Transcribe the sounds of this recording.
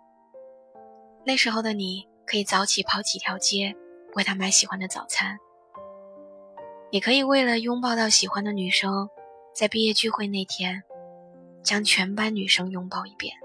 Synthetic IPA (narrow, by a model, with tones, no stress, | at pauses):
na˥˩ɪʂɻ̩˧˥xo˧˩ʊd̪ə˩ni˨˩ | kʰɤ˧˥i˨˩t͡sɑ˧˥ʊt͡ɕʰi˨˩pʰɑ˧˥ʊt͡ɕʰi˨˩t̪ʰjɑ˧˥ʊt͡ɕjɛ˥pu˧˥xe˥˩t̪ʰa˥ma˧˥ɪɕi˨˩xwa˧˥nd̪ə˨t͡sɑ̰˨˩ʊt͡sʰa˥n | ni˨˩kʰɤ˧˥i˨˩we˥˩ɪlə˩jʊ˥ŋpɑ˥˧ʊt̪ɑ˥˩ʊɕi˨˩xwa˧˥nd̪ə˨ny˨˩ʂɤ˥ŋt͡sa˥˧ɪpi˥˧jɛ˥˧t͡ɕy˥˧xwe˥˧ɪne˥˩ɪt̪ʰjɛ˥n | t͡ɕjɑ˥ŋt͡ɕʰɥɛ˧˥npa˥nny˨˩ʂɤ˥ŋjʊ˥ŋpɑ˥˧ʊi˧˥˩pjɛ̰˥˩n